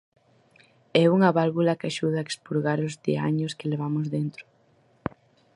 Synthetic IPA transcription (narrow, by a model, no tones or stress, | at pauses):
ɛuŋɐβalβulɐkaʃuð̞ɐekspuɾɣaɾʊzdea̰ɲʊskɪleβ̞amʊzðent̪ɾʊ̥